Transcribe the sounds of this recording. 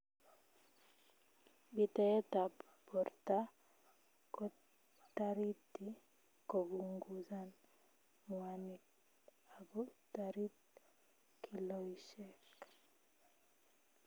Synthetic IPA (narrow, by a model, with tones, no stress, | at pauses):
bi˨t̪ɛɛ˦t̪a˨ | pɔ˨rta˦ | kɔ˦ | taɾi˦ti˨ | ko˨bu˨ŋɡuza˦n | muani˨k̚ | a˨bɔ˦taɾi˦t̚ | kʰːi˨lɔiʃɛk